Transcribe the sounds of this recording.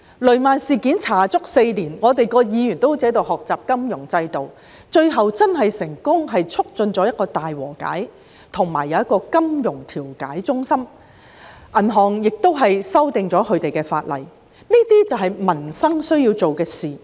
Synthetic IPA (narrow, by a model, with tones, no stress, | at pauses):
lɵ˨˩ɥmaː˨nsiː˨kiː˨˥nt͡sʰaː˨˩t͡sʊ˥k̚se˧jliː˨˩nŋɔː˨˧t̪e˨jkɔː˧jiː˨˧jyː˨˩nt̪o˥wt͡sɛː˨˥t̪̬o˨˧whɔː˨k̚t͡saː˨p̚kɐ˥mjʊ˨˩ŋt͡sɐ˧jt̪o˨w | t͡ʃɵ˧ɥɦɐ˨wt͡sɐ˥nɦɐ˨jsɪ˨˩ŋkʊ˥ŋɦɐ˨jt͡ʃʰʊ˥k̚t͡sɵ˧nt͡sɔː˨˥jɐ˥t̚kɔː˧t̪aː˨jwɔ̰ː˨˩ka̰ː˨˥j | t̪ʰʊ˨˩ŋma̰ː˨˩jːɐ˨˧wjɐ˥t̚kɔː˧kɐ˥mjʊ˨˩ŋt̪ʰiː˨˩wka̰ː˨˥jt͡sʊ˥ŋsɐ˥m | ʔɐ˨˩nɦɔː˨ŋjɪ˨k̚t̪o˥wɦɐ˨jsɐ˥wt̪ɪ˨ŋt͡sɔː˨˥kʰɵ˨˧t̪e˨jkɛː˧faː˧t̚lɐ̰˨˩j | niː˥t̪iː˥t͡sɐ˨wɦɐ˨jmɐ˨˩nsɐ˥ŋsɵ˥ɥji˧wt͡so˨wkɛː˧siː˨˩